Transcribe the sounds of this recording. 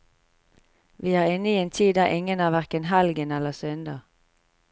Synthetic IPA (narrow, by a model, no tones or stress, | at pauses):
ʋiːæːʁɪnəiːeːnt̪ʰiːd̪ɑːʔɪŋənæːʋæʁkənɦɛlɡənɛləsʏnd̪ɑː